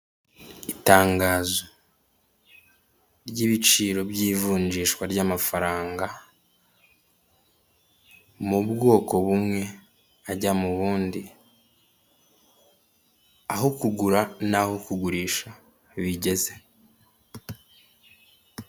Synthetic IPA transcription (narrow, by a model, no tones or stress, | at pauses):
itaːŋɡaːzo | ɾɟiβit͡ʃiːɾo̞bɟiːvuːɲd͡ʒiːʃkwaɾɟaːmafaɾaːŋɡa | muβɡo̞ːko̞βumŋe̞ | aɟamuβuːndi | aɦokuɡuɾanaho̞kuɡuɾiːʃa | βiɟe̞ze̞